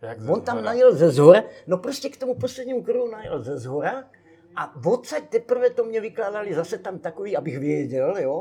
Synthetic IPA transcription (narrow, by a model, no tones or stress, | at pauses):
vont̪amnajɛlzɛzɦoɾanopɾoscɛkt̪o̞muposlɛd̪ɲiːmukɾoɦunajɛ̰lzɛzɦoɾa | ʔavot̪t͡sac̚t̪ɛpr̩vɛt̪omɲɛvɪklaːdalɪzasɛt̪amt̪akoviːʔabɪxvɪjɛɟɛljo